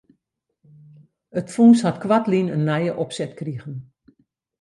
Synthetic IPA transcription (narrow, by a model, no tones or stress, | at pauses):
ətfuːnshatkwatlinənːɛjəʔɔpsɛtkriəɣən